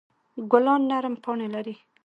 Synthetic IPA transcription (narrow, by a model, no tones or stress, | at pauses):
ɡʊlɑnːaɾmpɑɳelaɾi